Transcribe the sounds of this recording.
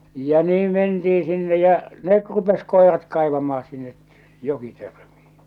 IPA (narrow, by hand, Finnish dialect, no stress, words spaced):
jɑ niːm mentiːn̞ sinːe jæ̠ net rupes koˑerɑt kɑˑe̝ʋɑmˑɑː sinːe jokitørm̥i̥ː